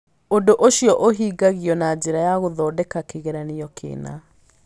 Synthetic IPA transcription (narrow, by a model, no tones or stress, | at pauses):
ondoʔoɕjɔʔoɦiːɡaɣjɔnad͡ʑeɾajaɣoðɔːdɛkakeɣeɾaniɔkʰḛːna̰